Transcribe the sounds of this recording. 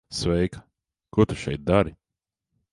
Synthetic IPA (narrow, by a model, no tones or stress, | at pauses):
svɛjkɐ̥ | kut̪uʃɛ̰jt̪̚d̪aɾi